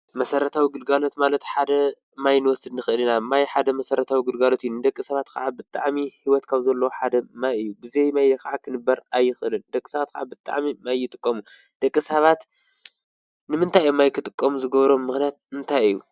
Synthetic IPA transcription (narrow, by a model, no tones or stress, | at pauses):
mɐsɐɾɐt̪ʰawiɡɨlɡalo̞t̪malɐt̪ħad̪ɐ | majnɨwɔsɨd̪nɨxɨʔɨlɨnamajħad̪ɐmɐsɐɾɐt̪ʰawiɡɨlɡalo̞t̪ɨjːunɨd̪ɐkʼːisɐβat̪kʰɐ̰ʕabɨt̪ʼaʕmihiwɔt̪kʰaβzɐlːɐwoħad̪ɐmajɨjːubɨzejmajd̪ɐkʰaʕakʰɨnɨbːɐɾajːɪxʔɨlɨnd̪ɐkʼːi̥sɐβat̪kʰaʕabɨt̪ʼa̰ʕmimajːɪt̪ʼɨkʼːɐmu | d̪̥ɐkʼːisɐβat̪ | nɨmɨnt̪ʰajomːajkʰɨt̪ʼɨkʼːɐmuzɨɡɐβɾo̞mːɨxnijat̪̚ɨnt̪ʰajɨjːu